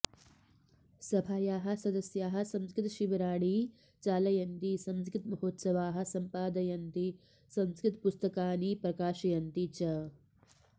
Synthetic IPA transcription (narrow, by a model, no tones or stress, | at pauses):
sɐbʱaːjaːɦɐ̆sɐd̪ɐsjaːɦɐ̆sɐmskɾɪt̪ɐʃiʋɐɾaːɽi | t͡ʃaːlɐjɐnt̪isɐnskɾɪt̪mɐɦoːt̪sɐʋaːɦɐ̆sɐmpaːd̪ɐjɐnt̪i | sɐmskɾɪt̪pust̪ɐkaːnipɾɐkaːʃɐjɐnt̪it͡ʃɐ